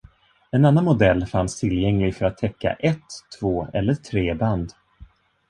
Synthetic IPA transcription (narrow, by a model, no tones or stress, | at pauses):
ɛnanːanmʊd̪ɛlːfanst̪ʰɪljɛŋlɪɡfœɾat̪ʰːɛkːa̰ʔɛt̪ʰːv̥oːɛ̰lːəʈʰɾeːband̪